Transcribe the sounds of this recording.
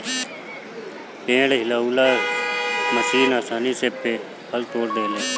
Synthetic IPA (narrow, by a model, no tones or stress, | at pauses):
pẽːɽɦɪlaːuːlaː | məsiːnaːsaːniːseːpeː | həlt̪oːɾd̪eːleː